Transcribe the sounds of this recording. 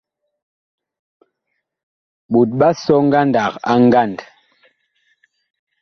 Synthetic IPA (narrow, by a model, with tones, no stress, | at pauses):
ɓu˨t̚ɓa˦sɔ˦ŋ˦ɡa˦nda˨ka̰˦ŋ˦ɡa˦˨nd